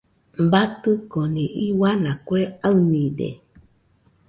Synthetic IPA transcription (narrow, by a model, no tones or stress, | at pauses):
bat̪ɨkonĩʔiwanãkweaɨnĩdḛ